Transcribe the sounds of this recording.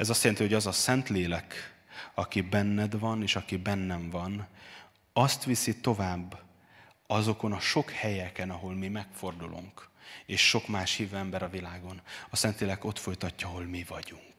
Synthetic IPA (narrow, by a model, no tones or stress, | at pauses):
ɛzɒst̪jɛlɛnt̪iho̞ɟɒzɒsɛnt̪leːlɛkɒkibɛnːɛd̪vɒneːʃɒkibɛnːɛɱvɒn | ɒst̪ʋisit̪o̞vaːbː | ɒzo̞ko̞nɒʃo̞khɛjɛkɛnɒɦo̞lmimɛkfo̞rd̪ulʔṵŋkeːʃʃo̞kmaːʃhiːvøːɛmbɛɾɒvilaːɡo̞nɒsɛnt̪leːlɛko̞t̪fo̞jt̪ɒcːɒɒɦo̞lmivɒɟuŋk